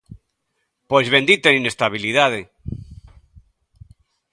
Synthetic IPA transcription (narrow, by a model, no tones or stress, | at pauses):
pojzβend̪it̪eninest̪aβ̞iliðaðe